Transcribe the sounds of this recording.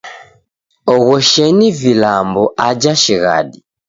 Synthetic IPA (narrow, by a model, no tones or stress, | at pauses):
ɔɣɔʃɛnivilambɔʔad͡ʒaʃiɣa̰ɗi